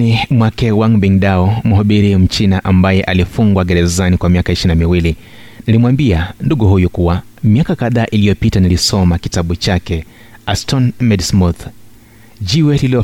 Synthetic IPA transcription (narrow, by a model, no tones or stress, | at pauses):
imwakɛwaŋɓiŋɗaɔm̩ɦɔɓiɾim̩t͡ʃinaʔambajɛʔalifuŋɡwaɡɛɾɛzanikwamiakaiʃinamiwili | nilimwambianduɠuhujukuwa | miakakaðaːʔilijɔpitanilisɔmakitaɓut͡ʃakɛ | astɔnmɛdsmuθ | d͡ʒiwɛliliɔ